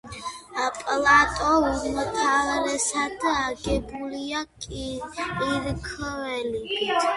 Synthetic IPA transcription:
apʼlˠat̪ʼɔuɾmt̪ʰavaɾɛsad̪aɡɛbuliakʼiiɾkʰvɛli

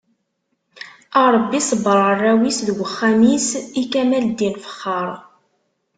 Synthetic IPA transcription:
ɑɾˤəbːisəbəɾˤərˤːæwisðəɡʷəχːæmisikæmæld̪infə̥χːɑɾˤ

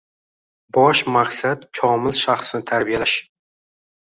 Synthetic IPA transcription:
bɒʃmaqsat̪t͡ʃʰɒmɪlʃaχsnɪt̪ʰaɾbijalaʃ

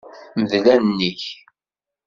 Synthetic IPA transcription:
məðlænnːiç

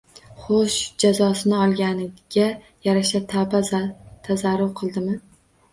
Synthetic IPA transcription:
χoʃd͡ʒazɒsɪnɪɒlˠɡʲanɪɡ̥ʲa | jaɾaʃat̪ʰabt̪ʰazaɾːʊɾqʰɨlˠd̪ɪmɪ

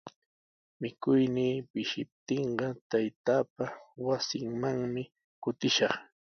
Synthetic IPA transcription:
mɪkʊjniːpɪʃɪp̚t̪eɴɢɑt̪ajt̪aːp̚awasɪŋmaŋmɪ | kʊt̪ɪʃɑχ

